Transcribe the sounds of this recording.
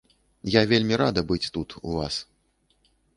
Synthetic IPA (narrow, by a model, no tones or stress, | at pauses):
javʲelʲmʲiɾad̪ɐbɨt͡sʲt̪ut̪ṵva̰s